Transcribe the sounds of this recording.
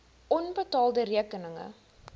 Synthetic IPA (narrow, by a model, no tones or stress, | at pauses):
ʔɔnbətɑːlˠdəɾiəkənəŋə̰